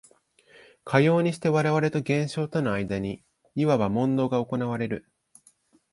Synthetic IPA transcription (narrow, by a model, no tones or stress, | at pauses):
kʰajo̞ːɲ̟iɕi̥t̪e̞βaɾe̞β̞aɾe̞t̪o̞ɡẽ̞ɰ̃ɕo̞ːt̪o̞no̞aid̪aɲ̟i | iβaβamõ̞nd̪o̞ːɡao̞ko̞naβ̞aɾe̞ɾɯ̟